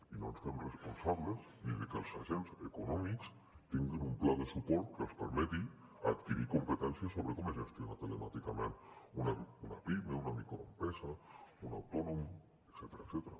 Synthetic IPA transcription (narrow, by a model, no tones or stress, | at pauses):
inonsfemrespunsaβləs | nilikəlˠsaʒenzekunɔmiks | t̪iŋɡinumplaðəsupɔɾt̪̚kəlˠspəɾmɛt̪i | at̪kiɾikumpət̪ɛnsiəsoβɾəkɔmeʒest̪jonat̪ələmat̪ikamẽnunauna̰pimeunamikɾoempɾɛzauna̰wt̪ɔnum | eksɛt̪eɾaksɛt̪əɾa